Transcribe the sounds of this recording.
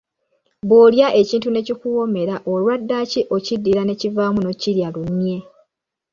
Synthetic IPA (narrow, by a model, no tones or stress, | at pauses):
boːljaʔe̞ciːntune̞cikuwo̞me̞ɾaʔolwadːaciʔocidːiɾane̞civaːmuno̞ciljalunje̞